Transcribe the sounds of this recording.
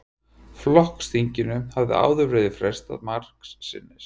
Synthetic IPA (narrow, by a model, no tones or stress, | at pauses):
flɔhkst̪iɲcɪnʏhavðɪ̰a̰ːwðʏvɾeːjðɪfɾɛst̪a̰ðmar̥ksːɪ̰nːɪs